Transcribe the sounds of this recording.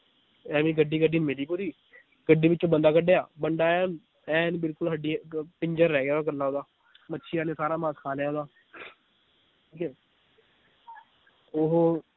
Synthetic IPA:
ɛ̃ːʋĩːɡəɖːiːɡəɖiːnmeːɾiːpuɾiː | ɡəɖːiːʋɪt͡ʃːt͡ʃõːbənd̪aːkəɖejaːbəɳɖaːn | ɛ̃ːnbɪlkʊlɦəɖiːpɪɲd͡ʒəɾːɛːɡeːd̪aːɡəlːaːoːd̪aː | mətːʃʰiːaːneːsaːɾaːmãːskʰaːlɛːoːd̪aː | ʈʰiːkɛː | oɦoː

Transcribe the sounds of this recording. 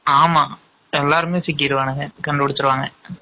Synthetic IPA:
aːmaː | ɛlːaːɾɯmeːsɪk̬ːɪɾɯʋaːɳɯŋɡɐkɐɳɖɯpɪɽɯtːɯɾɯʋaːŋɡɐ

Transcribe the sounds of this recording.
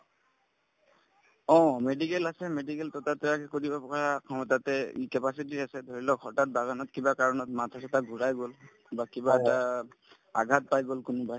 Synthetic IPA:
ɔ̃medikɛlasɛmedikɛltɔtatɛakɛkodibapɔkʰakʰɔmɔtatɛḭkɛpasit̬iasɛdʱoɹilɔkʰɔtat̚baɡanɔtkibakaɹɔnɔtmatʰasɛtaɡʱuɹajɡol | bakibaɛta | aɡʱat̚pajɡolkʊnʊba

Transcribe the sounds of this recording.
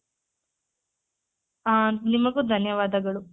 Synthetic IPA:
aːnimɐɡud̪ʱɐnjɐʋaːd̪ɐɡɐɭu

